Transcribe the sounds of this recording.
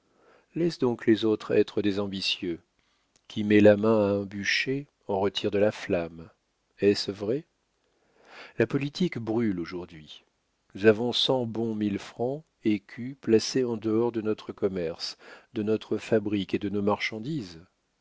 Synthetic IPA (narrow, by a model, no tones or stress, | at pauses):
lɛsd̪ɔ̃klezot̪χɛt̪χəd̪ezɑ̃bisjø | kʲʰimɛlamɛ̃aɛ̃byʃe | ɑ̃ʁət̪ʰiʁd̪əlaflam | ɛsvʁɛ | lapɔlit̪ʰikbʁyloʒuʁd̪ɥi | nuzavɔ̃sɑ̃bɔ̃milfχɑ̃ | ekʲʰyplaseɑ̃d̪əɔʁd̪ənɔt̪χəkɔmɛʁsd̪ənɔt̪χəfabʁiked̪ənomaʁʃɑ̃d̪iz